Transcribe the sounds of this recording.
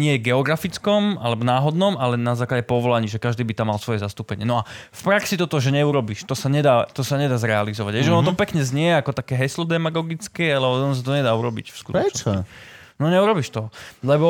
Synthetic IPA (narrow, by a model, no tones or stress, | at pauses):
ɲɪɛɡɛɔɡɾafit͡skɔmalɛbɔnaːɦɔd̪nɔmalɛnazaːklaɟɛpɔʋɔlaɲiːʒɛkaʒd̪iːbit̪amːalsʋɔjɛzast̪uːpɛɲɪɛnɔafpɾaksit̪ɔt̪ɔʒɛɲɛuɾɔbiʃt̪ɔsaɲɛd̪aːt̪ɔsaɲɛd̪aːzɾɛalizɔʋaɟɦɛʒɛɔnɔt̪ɔpɛkɲɛzɲɪɛɛakɔt̪akɛːɦɛslɔd̪ɛmaɡɔɡit͡skɛalɛɔɔnɔs̬at̪̬ɔɲɛd̪aːuɾɔbḭcfskut̪ɔt͡ʃ | nɔɲɛuɾɔbiʃt̪ɔlɛbɔ